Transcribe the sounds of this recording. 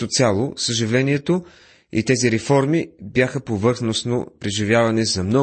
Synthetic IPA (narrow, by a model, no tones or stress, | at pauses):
ot̪sʲalˠosəʒivlɛniɛt̪o | ḭt̪ɛziɾɛfɔɾmibjaxəpovɤɾxnosno̰pɾɛʒivʲjavɐnɛzɐmnɔ